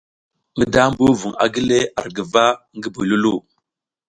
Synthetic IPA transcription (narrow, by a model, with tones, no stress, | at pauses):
ŋə˦da˦m˦bu˦vu˨ŋa̰˨ɡi˦le˦a̰˨ɾɡə˨va˦ | ŋɡə˦bu˨lu˦lu˦˨